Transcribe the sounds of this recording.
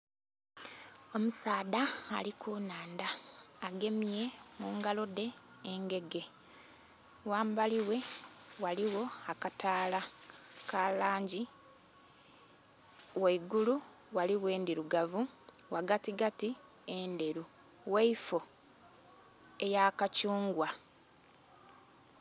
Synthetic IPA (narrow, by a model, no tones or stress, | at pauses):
o̞musaːda̰ːlikʰuːnaːndaːɡe̞mije̞muːŋɡalo̞de̞ː | ŋɡe̞ɡe̞ | waːmbaliwe̞waliwo̞akataːlakalaːɲɟi | weiɡulu | waliwe̞ːndiɾuɡavu | waɡatiɡati | ende̞ɾu | weifo̞ | e̞jakacuːŋɡwa